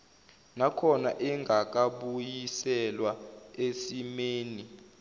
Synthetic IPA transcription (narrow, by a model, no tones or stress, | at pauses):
nakʰɔnaʔɛŋɡʱak̬ʼaɓujisɛlwaesimeːni